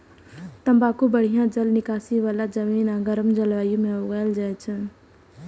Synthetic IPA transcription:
t̪əmbakubəɽ̤ijãd͡ʒəlnɪkasiʋaːlad͡ʒəmiːnãɡəɾəmd͡ʒəlʋaːjũmẽoɡaːld͡ʒajt͡ʃʰə

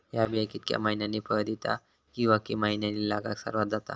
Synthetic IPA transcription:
jabjakit̪kja̰maɦinjanepəd̪it̪a̰ | kĩw̃ʋakimaɦinjanilaɡaksə̰ɾʋat̪d͡zat̪a̰

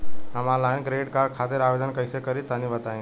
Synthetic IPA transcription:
əmalajnɡɾeɖkaɾɖ̚kʰat̪eɾaʋed̪ənkəjsekəɾit̪ãnĩbət̪aĩ

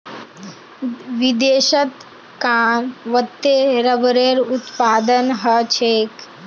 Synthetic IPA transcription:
ʋid̪eːʃət̪ | kaːnʋət̪ːeɾəʋɾeːɾut̪paːd̪ənɦət͡ʃʰeːk

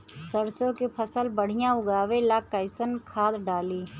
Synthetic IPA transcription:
səɾsõkepʰəsəlbəɽ̤ɪjãʊɡaːʋelaːkːaɪsənkʰaːd̪ɖaːliː

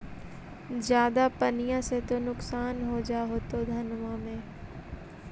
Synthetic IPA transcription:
zjaːd̪apɐnijãset̪onʊksaːnɦod͡ʒaɦoːt̪od̪ʱɐnmãmẽː

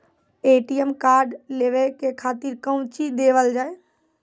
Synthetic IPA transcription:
eːʈijəmkaːɾɖleʋekekʰaːt̪iɾkə̃wt͡ʃid̪eːʋəld͡ʒaːe

